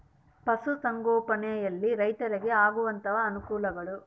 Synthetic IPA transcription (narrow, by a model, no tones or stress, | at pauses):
pɐsusɐŋɡɔːpɐneːjɐlːiɾɐjt̪ɐɾeɡeaːɡuʋɐnt̪ɐʋɐːnukuːlɐɡɐɭu